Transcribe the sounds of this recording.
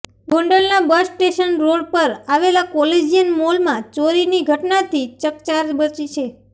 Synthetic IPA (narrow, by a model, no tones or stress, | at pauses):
ɡõɳɖəlnabəsʈeʃənɾoɽpəɾaʋelakɔled͡ʒijənmolmãt͡ʃoɾiniɡʱəʈnat̪ʰit͡ʃəkt͡ʃaɾbət͡ʃit͡ʃʰe